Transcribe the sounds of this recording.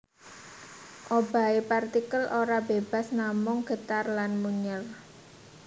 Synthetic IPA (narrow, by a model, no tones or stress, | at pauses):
ʔob̥a̤epart̪ikəlʔoɾabeb̥a̤snamʊŋɡ̥ə̤t̪arlanmuɲər